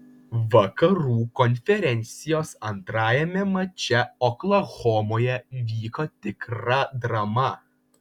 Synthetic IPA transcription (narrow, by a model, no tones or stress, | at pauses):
ʋɐkɐɾuːkɔnʲfʲɛɾʲɛnʲt̪sʲɪjoːsɐnt̪ɾɑːjɛmʲɛmɐt͡ʃʲɛɔklˠɐɣɔːmoːjɛʋʲiːkot̪ʲɪkɾɐd̪ɾɐmɐ